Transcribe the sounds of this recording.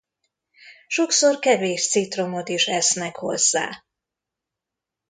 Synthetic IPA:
ʃo̞kso̞rkɛveːʃt̪sit̪ro̞mo̞t̪iʃɛsnɛkho̞̰zːa̰ː

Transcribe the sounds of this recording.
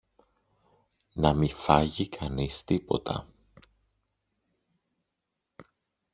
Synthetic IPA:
nɐmifɐʝikʰɐnist̪ipo̞̰t̪ʰɐ̰

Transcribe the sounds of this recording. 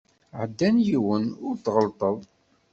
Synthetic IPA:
ʕəd̪ːænjiwənʊɾt̪ːʁəlt̪ˤəðˤ

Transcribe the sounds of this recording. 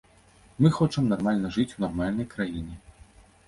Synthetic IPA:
mɨxɔt͡ʂɐmnarmalʲnɐʐɨt͡sʲunarmalʲnɐjkɾajinʲɛ

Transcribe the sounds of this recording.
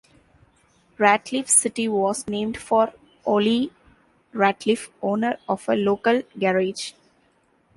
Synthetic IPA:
ɾæʈlɪfsɪʈiʋɔːznẽːmɖfɔːɾ | ʔoːli | ɾæʈlɪfõːnəɾɔːʋəloːkəlɡɛɾed͡ʒ

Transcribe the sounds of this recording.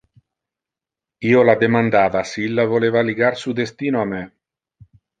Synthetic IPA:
iːolad̪emand̪aːvasiilːavolevaliɡaɾsud̪est̪iːnoame

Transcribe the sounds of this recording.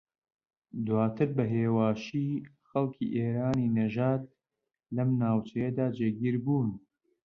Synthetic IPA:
d̪waːt̪ʰɨɾbɐɦeːwaːʃiː | xɐlkʰḭːʔeːɾaːniːnɐʒaːt̪̚ | lɐmnaːwt͡ʃɐjɐd̪aːd͡ʒeːɡiːɾbuːn

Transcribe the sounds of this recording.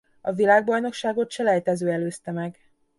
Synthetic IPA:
ɒvilaːɡ̚bɒjno̞kʃaːɡo̞t̪ʃɛlɛjt̪ɛzøːɛløːst̪ɛmɛɡ

